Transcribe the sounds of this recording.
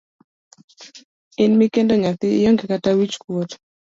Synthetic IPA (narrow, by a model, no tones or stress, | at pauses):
ɪnmikendɔŋat̪ɪjɔŋɡɛkatawit͡ʃkwot